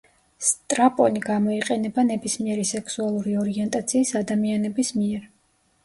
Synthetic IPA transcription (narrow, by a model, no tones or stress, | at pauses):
st̪ʼɾapʼɔniɡamɔiqʼɛnɛbanɛbismiɛɾisɛkʰsualˠuɾiɔɾiɛnt̪ʼat̪sʰiːsad̪amianɛbismiɛɾ